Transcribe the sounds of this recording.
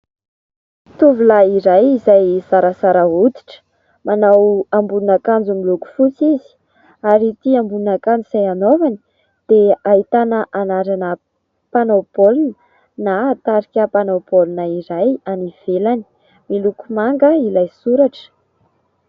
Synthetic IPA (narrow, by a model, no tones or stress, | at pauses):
t̪uvulaiɾajizajsaɾəsaɾəut̪i̥ʈ͡ʂə̥ | manawambunakand͡zumiluku̥fut͡sizi̥ | aɾit̪iambuunakand͡zizajanovani̥ | d̪̥eaɦit̪anəʔanaɾanə | panopolinə | nat̪aɾikʲəpanopolinaiɾajaniv̥elani̥ | milukumaŋɡəilajsuɾaʈ͡ʂə̥